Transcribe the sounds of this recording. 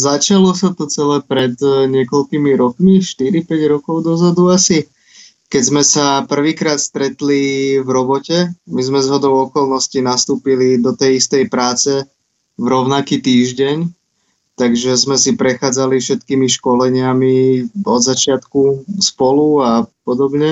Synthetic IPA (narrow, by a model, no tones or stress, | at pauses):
zat͡ʃalɔsat̪ɔt͡sɛlɛːpɾɛd̪ɲɪɛkɔlkimiɾɔkmiʃt̪iɾipɛɟɾɔkɔʊd̪ɔzad̪uasi | kɛzmɛsapr̩ʋiːkɾaːt̪st̪ɾɛt̪livɾɔbɔcɛmizmɛzɦɔd̪ɔʊɔkɔlˠnɔscinast̪uːpilid̪ɔt̪ɛjist̪ɛjpɾaːt͡sɛ | vɾɔʊnakiːt̪iːʒɟɛɲ | t̪aɡʒɛzmɛsipɾɛxaːd͡zalifʃɛt̪kiːmiʃkɔlɛɲɪamiɔd̪zat͡ʃɪat̪kuspɔluapɔd̪ɔbɲɛ